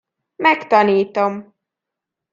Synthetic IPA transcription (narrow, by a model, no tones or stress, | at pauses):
mɛkt̪ɒniːt̪o̞m